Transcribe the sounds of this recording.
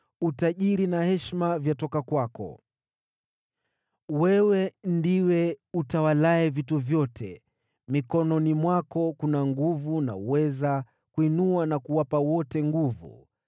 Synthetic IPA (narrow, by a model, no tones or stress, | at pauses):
utaʄiɾinahɛʃmavjatɔkakwakɔ̰ | wɛwɛndiwɛutawalaɛvituvjɔtʰɛ̰ | mikɔnɔnimwakɔkunaŋɡuvuna̰uwɛza | kuinuanakuwapawɔtɛŋɡuvṵ